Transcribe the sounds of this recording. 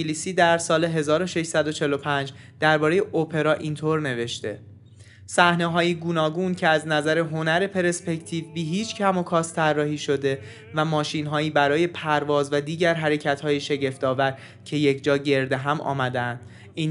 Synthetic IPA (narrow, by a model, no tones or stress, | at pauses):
lisiːd̪æɾsɒːle̞ɦe̞zɒːɾo̞ʃe̞ʃsæd̪ot͡ʃʰe̞lo̞pʰænd͡ʒ | d̪̥æɾbɒːɾejeʔopʰe̞ɾɒːʔiːnt̪ʰoɾne̞ve̞ʃt̪e̞̰ | sæhne̞ɦɒːjiɡuːnɒːɡuːncʰe̞æznæzæɾe̞ɦonæɾe̞pʰe̞ɾe̞spe̞ct̪ʰiːvbiɦiːt͡ʃʰcʰæmokʰɒːst̪ʰærːɒːɦiːʃo̞d̪e̞ | væmɒːʃinɦɒːjiːbæɾɒːje̞pʰæɾvɒːzvæd̪iːɟæɾɦæɾe̞cʰæt̪hɒːjeʃe̞ɟe̞ft̪ɒːvæɾ | cʰe̞je̞cʰd͡ʒɒːɟe̞ɾd̪eɦæmʔɒ̰ːmæd̪eænd̪̥ | iː